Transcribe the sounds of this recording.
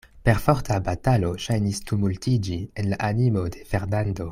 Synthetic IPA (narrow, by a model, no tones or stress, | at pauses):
pe̞ɾfoɾtʰabatalo̞ʃajnistumultid͡ʒienlaʔanimo̞de̞fe̞ɾnando̞